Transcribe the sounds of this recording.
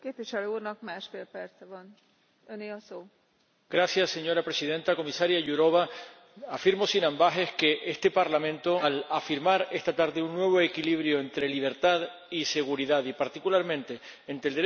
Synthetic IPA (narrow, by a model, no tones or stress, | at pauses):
keːpviʃɛløurnɒk̚maːʃfeːlpɛrt̪sɛvɒn | øneːɒsoː | ɡ̥ɾasjasːe̞ɲo̞ɾapɾe̞siðẽ̞nt̪ako̞misaɾjaʝuɾo̞βa | afiɾmo̞sinãmbaɦe̞hke̞ʔe̞st̪e̞paɾlamẽ̞nt̪o̞lafiɾmaɾe̞st̪at̪aɾðe̞unːwe̞β̞o̞ekiliβɾjo̞e̞nt̪ɾe̞liβ̞e̞ɾt̪að | ise̞ɣuɾiðaðipaɾt̪ikulaɾmẽ̞nt̪e̞ː | nt̪ɾeld̪e